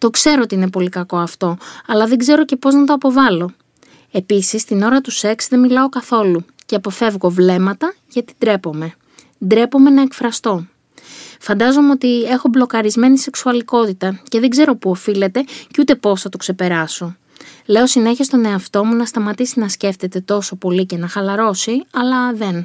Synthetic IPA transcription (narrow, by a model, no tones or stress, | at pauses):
t̪o̞kse̞ɾo̞ot̪iine̞po̞likɐko̞ɐft̪o̞ɐlɐðe̞ɡze̞ɾo̞ce̞po̞znɐt̪̬o̞ɐpo̞vɐlo̞ | e̞pisist̪ino̞ɾɐt̪use̞ksðe̞milɐo̞kɐθo̞lu | ceɐpo̞fe̞vɣo̞vle̞mɐt̪ɐ | ʝɐt̪i̥d̪ɾe̞po̞me̞ | d̪ɾe̞po̞me̞nɐekfɾɐst̪o̞ | fɐnd̪ɐzo̞meot̪ie̞xo̞blo̞kɐɾizme̞nise̞ksuɐliko̞t̪it̪ɐce̞ðe̞ɡze̞ɾo̞puofile̞t̪e̞ceut̪e̞po̞sθɐt̪okse̞pe̞ɾɐso̞ | le̞o̞sine̞çest̪o̞ne̞ɐft̪o̞munɐst̪ɐmɐt̪isinɐsce̞ft̪e̞t̪e̞t̪o̞so̞po̞lice̞nɐxɐlɐɾo̞siɐlɐðe̞n